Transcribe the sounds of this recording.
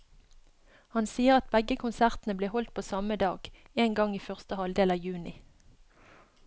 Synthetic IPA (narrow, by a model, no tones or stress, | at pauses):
hɑnsiːəʁɑt̪̚bɛɡəkʰʊnsæʁt̪n̩əbleːhɔlt̪̚pʰoːsɑməd̪ɑ̰ːɡ̥ | eːnɡɑŋiːfœʁst̪əhɑld̪eːlɑjʉːnɪ